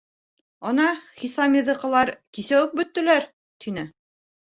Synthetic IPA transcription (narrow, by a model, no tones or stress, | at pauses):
onɑχisɑmʲiðɤ̆qɤ̆lˠɑɾkisæwɘk̚bɵ̆t̪ːɘ̆læɾ | t̪ʰinɘ